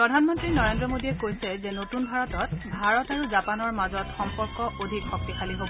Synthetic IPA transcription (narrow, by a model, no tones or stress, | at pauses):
pɹɔdʱanmɔntɹinɔɹendɹɔmodiɛkojsɛzɛnotunbʱaɹɔtɔt̚bʱaɹɔtaɹuzapanɔɹmazɔtxɔmpɔɹkɔʔodʱikxɔk̚tixaliɦobɔ